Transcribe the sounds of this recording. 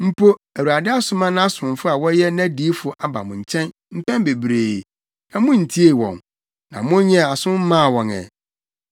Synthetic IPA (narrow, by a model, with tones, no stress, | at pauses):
m̩˦pʰo˦æ˨wa˨dɪ˦a˦sʊ˦mã˦nã˦a˦sʊ̃˨fʊ˦a˨wɔ˦jɛ˦nã˦di˨˦fʊ˨ʔa˨ba̰˨mʊ̃˨ɲ̩˨t͡ɕʰɛ̃˦n | m̩˦pɛ̃˦m˦be˨bɾeː˨ | nã˨mʊ̃˦n̩˨tʰi˦e˨wɔ̰̃˨n | nã˨mʊ̃˦ɲɛ̃˦a˨sʊ̃˦m̩˦mã˦˨wɔ̃˨nɛ̰˨